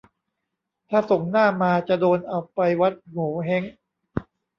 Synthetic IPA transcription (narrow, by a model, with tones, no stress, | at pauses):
t̪ʰaː˥˩so˨˩ŋnaː˥˩maː˧t͡ɕa˨˩doː˧nʔa˧wpa˧jwa˦˥t̪̚muː˩˦ɦe˦˥ŋ